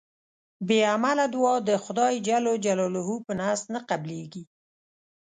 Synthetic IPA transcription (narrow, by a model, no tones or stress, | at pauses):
beamalad̪wɑd̪əxʊd̪ɑjd͡ʒalod͡ʒalɔloɦupənast̪naqableɡi